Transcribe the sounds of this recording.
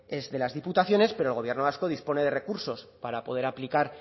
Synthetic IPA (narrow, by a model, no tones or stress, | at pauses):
e̞zðe̞lazðiput̪aθjo̞ne̞spe̞ɾolɣ̞o̞βje̞ɾno̞β̞asko̞ð̞ispo̞ne̞ðe̞re̞kuɾso̞spaɾapo̞ð̞e̞ɾaplikaɾ